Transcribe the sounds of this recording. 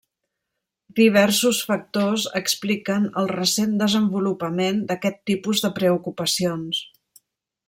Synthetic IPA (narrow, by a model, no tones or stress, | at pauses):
d̪iβ̞ɛɾsusfək̚t̪ozə̰ksplikənəlˠrəsend̪əzəmbulupəmend̪əkɛt̪ːipuzðəpɾəukupəsions